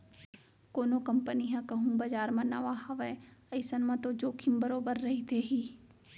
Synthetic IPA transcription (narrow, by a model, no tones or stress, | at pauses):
koːnokɐ̃mpəniɦãkɐɦũbɐd͡ʒaːɾmɐ̃nɐ̰ʋaɦɐʋɛɐɪsənmãt̪od͡ʒoːkʰimbɐɾoːbəɾːɐɦit̪ʰeɦiː